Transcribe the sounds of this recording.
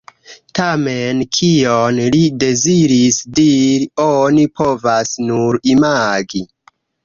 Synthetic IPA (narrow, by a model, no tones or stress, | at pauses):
tamenkʰionlide̞ziɾisdiɾionipʰo̞vasnuɾimaɡi